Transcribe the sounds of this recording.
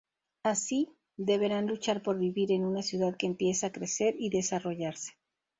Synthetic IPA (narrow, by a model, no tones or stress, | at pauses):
asi | ðe̞βe̞ɾanlut͡ʃaɾpo̞ɾβiβiɾe̞nunasjuðaðke̞ːmpje̞saakɾe̞se̞ɾiðe̞saro̞ʝaɾse̥